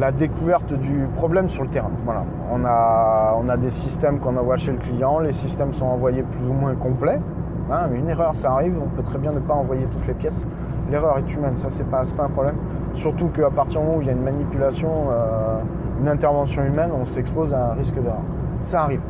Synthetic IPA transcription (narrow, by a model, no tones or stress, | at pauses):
lad̪ekuvɛʁt̪d̪ypχɔblɛmsyʁlət̪eʁɛ̃vwala̰ | ɔ̃naɔ̃nad̪esist̪ɛmkɔ̃navwaʃeləklijɑ̃lesist̪ɛmsɔ̃ɑ̃vwajeplyzumwɛ̃kɔ̃plɛ | ɛ̃yneʁœʁsaːʁivɔ̃pøt̪χɛbjɛ̃nəpaɑ̃vwajet̪ut̪lepjɛs | leʁœʁɛt̪ymɛnsasɛpasɛ̥paɛ̃pχɔblɛm | syʁt̪ukəapaʁt̪iʁd̪əmɔmɑ̃uiljaynmanipylasjɔ̃ø | ynɛ̃t̪ɛʁvɑ̃sjɔ̃ymɛnɔ̃sɛkspozaɛ̃ʁiskəd̪eʁœ̰ʁ | saːʁiv